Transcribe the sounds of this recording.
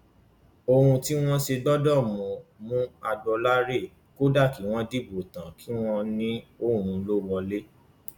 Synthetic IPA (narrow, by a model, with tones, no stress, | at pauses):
o˧ɾũ˧ti˦w̃ɔ̃˦ʃe˧dɔ˦dɔ˦˨mũ˨mũ˦a˧dɔ˧la˦ɾe˦˨ | ko˦da˦˨ki˨˦w̃ɔ̃˧di˦bo˨tã˨kʰi˨˦w̃ɔ̃˧nĩ˦o˦˨ɾ̃ũ˧lo˦wɔ˧le˦